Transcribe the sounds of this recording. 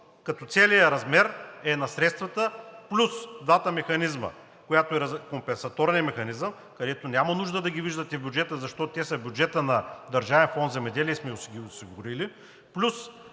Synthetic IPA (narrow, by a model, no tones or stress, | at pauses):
kɐt̪ɔt̪sɛlijəɾɐzmɛɾɛnɐsɾɛt̪st̪vɐt̪əplʲusd̪vat̪əmɛxɐnizmə̰ | kojat̪oɛɾɐkompɛnsɐt̪oɾnʲijəmɛxɐnizəm | kɐd̪ɛt̪onʲamɐnuʒd̪əd̪ɐɡʲiviʒd̪ət̪ɛvbʲjud͡ʒɛt̪əzɐʃt̪ɔt̪ɛsɐbʲjud͡ʒɛt̪ənɐd̪ɐɾʒavɛnfɔnd̪zɛmɛd̪ɛliɛsmɛʊsiɡʲiʊsiɡʊɾili | plʲus